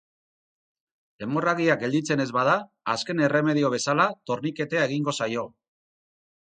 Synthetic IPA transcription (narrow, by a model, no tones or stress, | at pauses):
d̪e̞mo̞raɣiak̚ɡe̞ld̪it͡se̞ne̞zβað̞aː | ske̞ne̞re̞me̞ð̞io̞β̞e̞salat̪o̞ɾnike̞t̪e̞ae̞ɣiŋɡo̞sajo̞